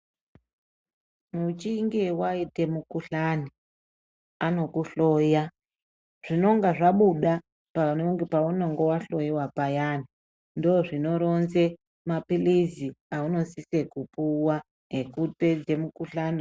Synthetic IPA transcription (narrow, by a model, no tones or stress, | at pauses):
mut͡ʃiŋɡewaite̞mukuɬani | ano̞kuɬo̞ja | ʐ̥ino̞ŋɡaʐaɓuɗa | panŋɡepaunoŋɡowaɬo̞jiwapajaːni | ndoʐino̞ɾo̞nze̞ | mapiliziauno̞sise̞kupuwa | ɦe̞kute̞d͡ze̞mukuɬani